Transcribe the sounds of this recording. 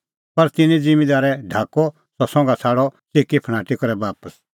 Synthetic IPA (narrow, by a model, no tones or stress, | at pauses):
pɐɾt̪ɪnĩd͡zɪ̃mĩd̪aːɾɛɖʱaːkɔ | sɔsɔ̃ŋɡat͡sʰaːɽɔsekipʰɽ̃aːʈikɔɾɛbaːpəs